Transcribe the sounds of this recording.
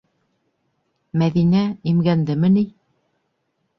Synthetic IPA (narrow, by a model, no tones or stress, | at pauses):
mæðinæimɡænd̪ɘmɘ̆ni